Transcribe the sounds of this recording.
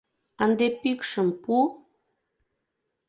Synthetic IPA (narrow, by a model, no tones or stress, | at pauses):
ənd̪epikʃə̆mpu